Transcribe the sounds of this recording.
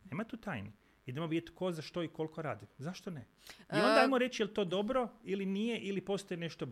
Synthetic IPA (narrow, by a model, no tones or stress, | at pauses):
neːmat̪uːt̪aːjni | id̪emobid̪et̪ko̞zaʃt̪o̞iko̞lko̞ɾaːd̪imzaʃt̪one | io̞nd̪aajmoɾe̞t͡ʃjelt̪o̞d̪o̞bɾoilinije̞ʔilipo̞st̪ojene̞ʃt̪o